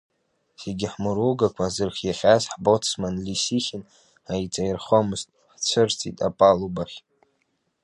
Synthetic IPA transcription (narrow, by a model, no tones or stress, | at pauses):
seɡʲɪħmɨɾuɡakʷʰazɨrχʲjaχʲazħbot͡sʰmanlisiχʲɪn | ajt͡sʼajirχomɨztʼħt͡sʷʰɨrt͡sʰʼitʼa̰pʼalubaχʲ